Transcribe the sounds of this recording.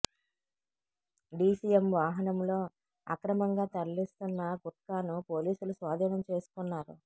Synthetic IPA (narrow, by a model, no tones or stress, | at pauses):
ɖiːsijemʋaːɦɐnɐmlo̞ː | ɐ̰kɾɐmɐŋɡaːt̪ɐllist̪unːɐɡuʈkaːnupo̞ːliːsulusʋaːd̪ʱɐːnɐmt͡ʃe̞ːsu̥kunːaːɾṵ